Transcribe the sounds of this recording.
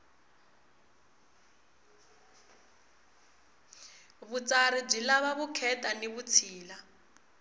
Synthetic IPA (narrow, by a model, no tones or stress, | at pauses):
βut͡sarib͡ʐilaβaβukʰɛtʼaneβut͡sʰiːla